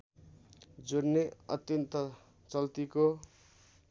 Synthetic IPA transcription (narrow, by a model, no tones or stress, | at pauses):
d͡zoɾneʌ̰t̪jʌnt̪ʌ | t͡sʌlt̪iko